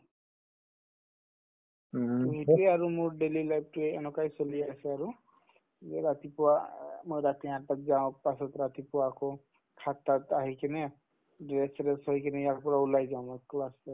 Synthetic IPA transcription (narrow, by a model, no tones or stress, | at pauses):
uɦieaɾumuɾɖelilajb̚ʈɾeenɔkajsɔliaseaɾu | ɾat̪ipuamɔjɾat̪iɦãʈak̚d͡ʒãpasɔt̪ɾat̪ipuako | kʰat̪at̪aɦikine | ɖɾesɾesɦɔjkenɛjakpɔɾaulajd͡ʒaw̃mɔklasa